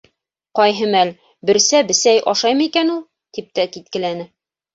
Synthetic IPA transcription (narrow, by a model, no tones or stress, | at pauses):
qɒjɦɤmæl | bɘ̆ɾsæbɘ̆sæjʔɒʃɑjmɤikænulˠ | t̪ip̚t̪ækit̪̚kɘ̆lænɘ